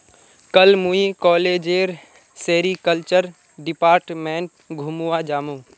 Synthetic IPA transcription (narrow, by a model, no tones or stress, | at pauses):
kəlmuikɔːleːd͡ʒeːɾ | seːɾikəlt͡ʃəɾ | ɖɪpaːɾʈmẽːɳʈ̚ | ɡʱumuwad͡ʒaːmuː